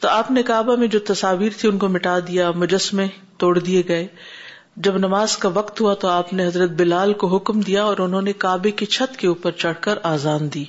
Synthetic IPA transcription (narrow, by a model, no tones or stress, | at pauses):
t̪oaːpnekaːbamẽd͡ʒoːt̪ɐsaːʋiːɾt̪ʰiʊnkomɪʈaːd̪ijamʊd͡ʒəsmẽ | t̪oːɽd̪ieɡɐeː | d͡ʒɐbnɐmaːzkaʋɐqt̪ɦuat̪oaːpneɦɐzɾət̪̚bɪlaːlkoɦʊkmd̪ijaɔːɾʊnɦõːnekaːbeket͡ʃʰɐt̪keuːpəɾt͡ʃɐɽ̤kəɾaːzaːnd̪iː